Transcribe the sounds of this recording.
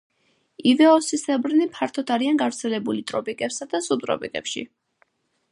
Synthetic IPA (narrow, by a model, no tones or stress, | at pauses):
ivɛɔsisɛbɾnipʰaɾt̪ʰɔtd̪ʰaɾianɡavɾt̪sʰɛlɛbulit̪ʼɾɔpʼikʼɛpsad̪asupt̪ʼɾɔ̰pʼḭkʼɛ̰pʃḭ